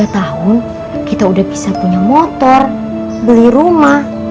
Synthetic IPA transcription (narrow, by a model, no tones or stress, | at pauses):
at̪aɦʊn | kit̪audahbisapuɲamɔt̪ɔr | bəliɾumah